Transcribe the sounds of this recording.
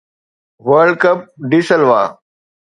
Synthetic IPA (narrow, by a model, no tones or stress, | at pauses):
ʋəɾɖkɐp̚ɖisəlʋa̰ː